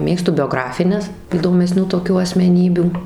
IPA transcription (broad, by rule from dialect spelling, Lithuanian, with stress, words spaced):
ˈmʲeːkstʊ bʲoːˈɡrɑːfʲɪnʲɛs iːdoːmʲɛˈsʲnʲuː toːˈkʲuː ɐsʲmʲɛˈnʲiːbʲuː